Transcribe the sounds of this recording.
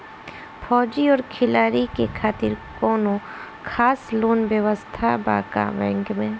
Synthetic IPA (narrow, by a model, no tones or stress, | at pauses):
pʰɔːd͡ʒiɔːɾkʰɪlaːɾikekʰaːt̪ɪɾkɔːnõ | kʰaːsloːnʋjəʋəst̪ʰaba̰ːka̰bɛ̰̃ŋkmẽː